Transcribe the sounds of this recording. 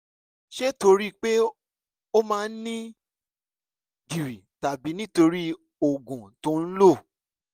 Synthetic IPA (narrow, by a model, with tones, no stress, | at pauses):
ʃe˦to˧ɾi˦k͡pe˦ | o˦mãː˦˧˦nĩ˦ | di˨ɾi˨ta˨bi˨˦nĩ˦to˧ɾi˦ | o˨ɡũ˨tõ˨˦n̩˦lo˦˨